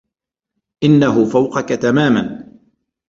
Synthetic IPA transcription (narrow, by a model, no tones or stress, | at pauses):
ʔɪnːaɦʊfawqɑkat̪amaːman